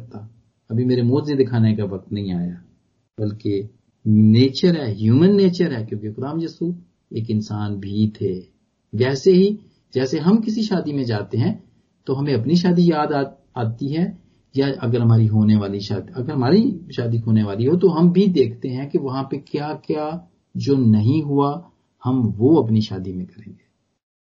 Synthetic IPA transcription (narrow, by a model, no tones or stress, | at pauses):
ɐt̪a | ɐbʱimeːɾemoːd͡ʒzed̪ɪkʰaːnekaʋɐk̚t̪nɐɦĩaːjaː | b̥ɐlke | neːt͡ʃəɾɦɛːɦjuːmənːeːt͡ʃəɾɦɛːkjõːkexʊd̪aːmjɐsu | eːkɪ̃nsaːnbʱiːt̪ɦeː | ʋɛːseɦi | d͡ʒɛːseɦɐmkɪsiʃaːd̪imẽd͡ʒaːt̪eɦɛ̃ | t̪oɦɐmẽɐpniʃ̬aːd̪ijaːd̪a | aːt̪iɦɛ | jaɐɡəɾɦɐmaːɾiɦoːneʋaːliʃaːd̪iɐɡəɾɦɐmaːɾiʃaːd̪iɦoːneʋaːliɦot̪oɦɐmbʱid̪eːkʰt̪eɦɛ̃keʋɐɦãpekjaːkjaː | d͡ʒoːnɐɦĩɦʊa | hɐmʋoːɐpniʃaːd̪imẽkɐɾẽːɡeː